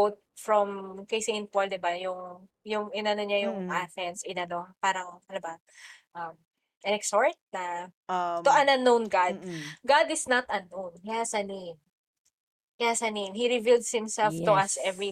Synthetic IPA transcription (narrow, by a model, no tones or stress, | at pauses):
t̪̚fɹɔmkɐjseɪ̃npold̪ɪbajʊŋ | jʊŋʔɪnɐnoɲajʊŋɐθɛnsɪnɐnopaːɾɐŋpɐlɐba | ʔɐm | ʔɐ̃nɛksoɹt̪̚nɐ | t̪oʔɐnɐnːonɡad̪̚ɡad̪ɪsnɐt̪ɐnːownkɐjasɐnem | kɐjasɐnemhiɾɪvild̪shɪ̃msɛlft̪ʊʔɐsɛvɹi